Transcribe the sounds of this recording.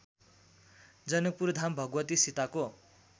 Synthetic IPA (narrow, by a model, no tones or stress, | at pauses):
d͡zʌnʌk̚puɾd̪ʱambʱʌɡwʌt̪isit̪ako